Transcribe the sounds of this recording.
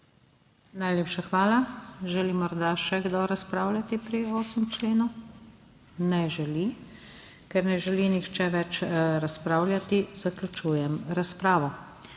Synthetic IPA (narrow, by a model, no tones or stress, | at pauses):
najlʲeːpʃaxʋaːlaʒɛlimɔɾd̪aʃɛɡd̪ɔɾaspɾaːwlʲjat̪ipɾioːsimt͡ʃleːnu | nɛʒɛli | kɛɾnɛʒɛlinixt͡ʃɛʋɛt͡ʃɾaspɾaːwlʲjat̪iz̥aklʲut͡ʃuːjɛmɾaspɾaːʋɔ